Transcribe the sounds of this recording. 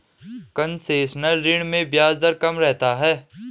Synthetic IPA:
kɐnseːʃnəlɾɪɳmẽbjaːzd̪əɾkɐmɾɛɦt̪aɦɛː

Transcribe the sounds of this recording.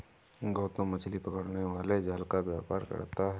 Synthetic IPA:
ɡɔːt̪õmɐt͡ʃʰlipɐkəɽneʋaːled͡ʒaːlkaʋja̰ːpa̰ːɾkɐ̰ɽt̪aɦɛ

